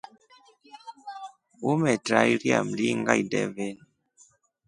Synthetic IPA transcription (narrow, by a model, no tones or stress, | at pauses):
umɛtɾajɾja̰m̩liŋɡajdɛ̰ven